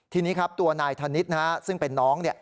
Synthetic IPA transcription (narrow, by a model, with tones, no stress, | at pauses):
t̪ʰiː˧niː˦˥kʰa˦˥p̚t̪u˧ɐnaː˧jt̪ʰa˧ni˦˥t̪̚na˦a˦˥sɯ˥˩ŋpe˨nːɔː˦˥ŋni˥˩